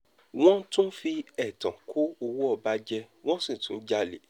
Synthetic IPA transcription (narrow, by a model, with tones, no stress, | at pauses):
w̃ɔ̃˦tũ˦fi˧ɛ˨tã˨kʰo˦o˧wu˦ɔ˧ba˧d͡ʒɛ˧ | w̃ɔ̃˦sĩ˦˨tũ˨˦d͡ʒa˧lḛ˨˦˨